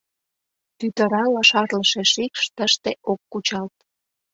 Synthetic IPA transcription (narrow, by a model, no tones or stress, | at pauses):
t̪yt̪əɾɑlɑʃɑrləʃeʃikʃt̪əʃt̪eʔokːut͡ɕɑlt̪̚